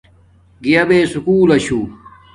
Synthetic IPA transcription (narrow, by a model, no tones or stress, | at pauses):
ɡijɐbeːsukuːlɐɕu